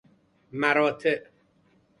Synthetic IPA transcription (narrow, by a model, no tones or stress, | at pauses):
mæɾɒːt̪ʰeʔ